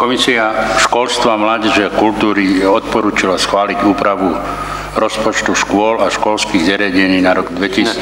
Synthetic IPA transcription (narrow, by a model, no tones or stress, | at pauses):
kɔmisiaʃkɔlst̪ʋamlaːɟɛʒɛakult̪uːɾijɛɔt̪̚pɔɾuːt͡ʃilasxʋaːliɟuːpɾaʋu | ɾɔspɔt͡ʃt̪uʃkʊɔlaʃkɔlskiːɣzɛɾɪaɟɛɲiːnaɾɔɡd̪ʋɛci